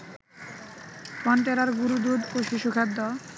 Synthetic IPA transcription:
pɔnʈ̪eɾaɾɡuɾud̪ud̪oʃiʃukʰad̪ːɔ

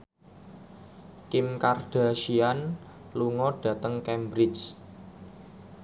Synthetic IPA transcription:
kɪmkarɖ̥a̤ʃian | luŋɔɖ̥ä̤t̪əŋkɛmbɾɪt͡ʃ

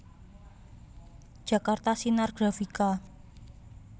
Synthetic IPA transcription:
d̥ʒ̥a̤kart̪asinarɡ̥ɾafika

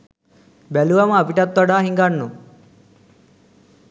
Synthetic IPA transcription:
bɛluʋɐmɐpiʈɐt̪ːɔɖaːɦiŋɡanːu

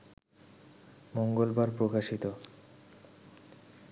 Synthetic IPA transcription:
moŋɡolbaɾpɾokaʃit̪o

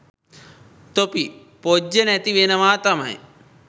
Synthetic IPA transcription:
t̪opi | pod͡ʒɐnɛt̪iʋenɐʋaːt̪ɐmɐ̰j̰

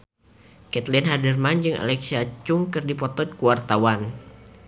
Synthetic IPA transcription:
kɛt̪linɦadərmand͡ʒɨŋa̰lɛksiat͡ʃʊŋkɨrdipɔt̪ɔt̪̚kuwart̪awan

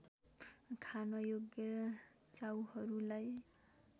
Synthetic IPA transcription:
kʰanojoɡjʌt͡sawhʌɾulaj

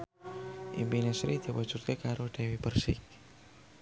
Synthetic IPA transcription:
ʔḭmpinɛsɾid̪̥iwḁd͡ʒ̥ut̪̚kəkaɾoɖ̥e̤wipərsɪ̰k̚

